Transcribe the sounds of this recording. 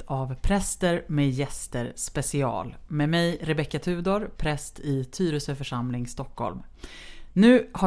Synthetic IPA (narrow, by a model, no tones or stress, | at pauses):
t̪ʰavpʰɾɛst̪əɾmeːjɛst̪əɾspɛsɪɑ̰ːlmeːmɛjɾɛbɛkːat̪ʰʉ̟ːd̪ɔɾpʰɾɛst̪ʰɪt̪ʰyːɾəsəfœʂamlɪŋst̪ɔkːɔ̰lm | nʉ̟ːha